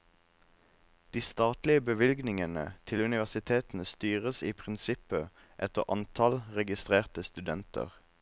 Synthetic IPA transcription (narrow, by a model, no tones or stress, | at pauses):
d̪̥iːst̪ɑːt̪lɪəbəʋɪlɡnɪŋənət̪ʰɪlʉnɪʋæʁsɪt̪ʰeːt̪n̩əst̪yːʁəsiːpʰʁɪnsɪpə | ʔɛt̪əʁʔɑ̰nt̪ʰɑlʁɛɡɪst̪ʁeːʁt̪əst̪ʉd̪ɛnt̪ʰə̰ʁ